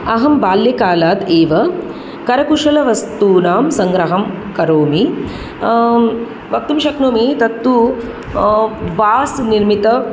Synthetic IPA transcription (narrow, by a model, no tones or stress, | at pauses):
ɐɦɐmbaːljɐkaːlaːt̪eːʋɐ | kɐɾɐkuʂɐlɐʋɐst̪uːnaːmsɐŋɡɾɐɦɐm | kɐɾoːmi | ʋɐk̚t̪umʃɐknoːmit̪ɐt̪ːu | ʋaːsniɾmit̪ɐ